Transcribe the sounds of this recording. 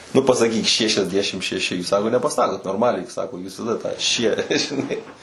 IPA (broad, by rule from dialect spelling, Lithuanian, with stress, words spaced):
ˈnʊ pɐsɐˈkʲiːk ˌʃʲæːʃʲɛzʲˈdʲæːʃʲɪm ʃʲɛˈʃʲɪ ˈsɑːkoː nʲɛpɐˈsɑːkoːt noːrmɐˈlʲɛɪ ˈsɑːkoː juːs tɐˈdɐ tɑː ʃʲiɛ ʒʲɪˈnɐɪ